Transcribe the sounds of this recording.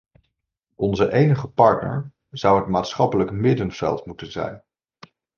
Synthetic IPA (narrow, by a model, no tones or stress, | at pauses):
ʔɔnzəʔejnəχəpɑɹtnə̰ɹ | zʌwɦətmaːtsχɑpələkmɪdənv̥ɛ̰lˠtmutənzɛ̰jn